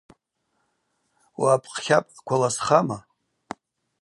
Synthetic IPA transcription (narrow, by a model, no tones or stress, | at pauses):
waːpʰʼqχʲapʼkʷʰalasχama